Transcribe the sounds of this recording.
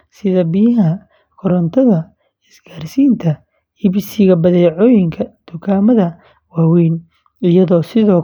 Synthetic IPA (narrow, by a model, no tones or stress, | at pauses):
sɪðɐbɪjɐɦɐ | kʰɔɾɐnt̪ʰɐðɐ | ɪsɡaːrsiːnt̪ʰɐ | hɪβsɪɣɐbɐðɛjʕɔːjɪŋkʰɐd̪̥ʊkʰaːmɐðɐ | waːwɛːn | ɪjɐðɔːsɪðɔː